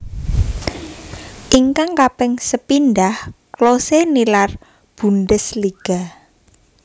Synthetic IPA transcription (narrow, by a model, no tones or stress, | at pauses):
ʔiŋkaŋkapɛŋsəpindahklosenilar | b̥unɖəsliɡ̥a